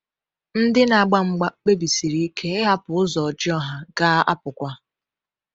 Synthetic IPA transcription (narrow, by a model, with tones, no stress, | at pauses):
n̩˦dɪ˦na˨ɡ͡ba˦ŋ͡m̩˦ɡ͡ba˦k͡pe˦bi˨si˨ɾi˦kʰe˦ɦa˦pʊ˨ʊ˦zɔ˨d͡ʒɪ˦ɔ˦ɦa˦ɡa˦a̰˦pʊ˨kʷa˦